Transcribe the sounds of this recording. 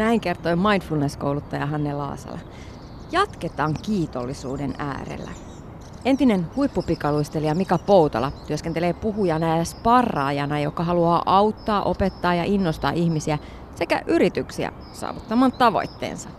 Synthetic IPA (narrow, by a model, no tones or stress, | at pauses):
næiŋke̞rt̪oimɑjnfulneskoulut̪ːɑjɑɦɑnːelɑ̰ːsɑ̰lɑ̰ | jɑt̪ket̪ɑːŋkiːt̪olːisuːdenæ̰ːɾḛlːæ̰ | e̞nt̪inenhuipːupikɑluist̪eliɑmikɑpowt̪ɑ̰lɑt̪yøskent̪eleːpuɦujɑnæjæspɑrːɑ̰ːjɑnɑjo̞kːɑɦɑluɑːʔɑwt̪ːɑːʔo̞pet̪ːɑːjɑʔinːost̪ɑ̰ːʔiçmisiæ | se̞kæ̰ʔyɾit̪yksiæ̰ | sɑ̰ːʋut̪ːɑmɑːnt̪ɑʋo̞̰jt̪ːḛːnsɑ